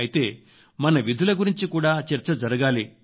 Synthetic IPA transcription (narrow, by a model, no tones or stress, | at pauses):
ɐjit̪eː | mɐnɐʋid̪ʱulɐɡuɾiɲt͡ʃikuːɽaːt͡ʃɐɾt͡ʃɐd͡ʒɐɾɐɡaːli